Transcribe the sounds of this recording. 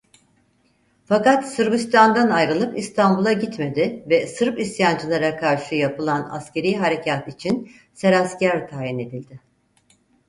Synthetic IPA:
fakat̪sɯɾbist̪ʰand̪anajɾɯlˠɯpist̪ʰambulˠaɟit̪me̞d̪ɪvɛsɯɾpisjand͡ʒɯlˠaɾakʰaɾʃɯjapɯlˠana̰sce̞ɾijɦaɾe̞cʰat̪it͡ʃʰin | seɾascæɾt̪ʰaːjine̞d̪ilʲd̪ɪ

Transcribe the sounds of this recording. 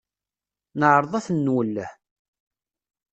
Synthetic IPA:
nəʕɾˤəðˤɑθnːwəlːəħ

